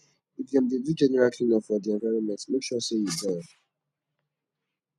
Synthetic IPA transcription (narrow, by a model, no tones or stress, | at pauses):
ifɡɛ̃ndedud͡ʒɛ̃nɛɹalkʰlĩnɔfɔdiɛ̃ɱvaɪɹɔ̃nmɛ̃ntmekʃɔseizdɛd